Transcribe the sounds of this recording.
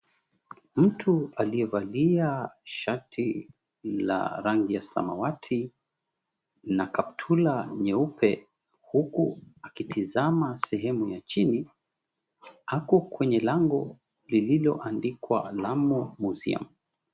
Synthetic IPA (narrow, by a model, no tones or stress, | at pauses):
m̩tʰualiɛvaliaʃatʰi | la̰ɾaŋɡijasa̰mawatʰi | nakap̚tʰulaɲɛupʰɛ | hukuakitʰizamasɛɦɛmujat͡ʃini | akɔkwɛɲɛlaŋɡɔ | lililɔʔandikwa̰lamɔmuzḭa̰m